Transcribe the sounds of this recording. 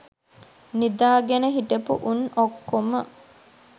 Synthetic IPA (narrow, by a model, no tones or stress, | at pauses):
nid̪aːɡenəɦiʈepuʔunokːomə